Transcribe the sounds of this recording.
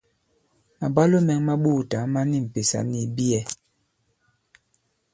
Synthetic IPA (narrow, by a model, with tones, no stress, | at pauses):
ma˨ba˦lo˦mɛ˨ŋma˦ɓuː˦˨ta˨˦ma˦ni˦m̩˨pe˨sa̰˨ni˨bi˦ɛ˦